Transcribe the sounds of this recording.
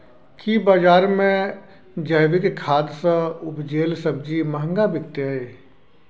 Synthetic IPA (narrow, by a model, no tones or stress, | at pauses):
kibaːd͡ʒaːɾmẽ | d͡ʒəɦʋɪkkʰaːd̪sə̃ʊpd͡ʒeːlsɐb̚d͡ʒimɐɦə̃ŋɡabɪkt̪əeː